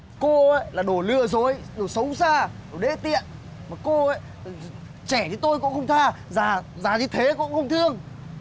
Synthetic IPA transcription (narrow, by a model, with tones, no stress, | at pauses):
ko˧ə˨˦jlaː˨˩ɗo˧˩lɨ˧əzo˨˦j | ɗo˧˩sə˨˦wsaː˧ɗo˧˩ɗḛ˧˥t̪ḭ˧˨ən | maː˨˩ko˧ʔə˨˦j | t͡ɕɛ˧˩t͡ɕ̪ʰi˨˦t̪o˧jkʊ̰˧˥ŋ͡mxə˧wŋ͡mt̪ʰaː˧zaː˨˩zaː˨˩ɲi˨˧˦t̪ʰe˨˦kʊ̰˧˥ŋ͡mxə˧wŋ͡mt̪ʰɨ˧əŋ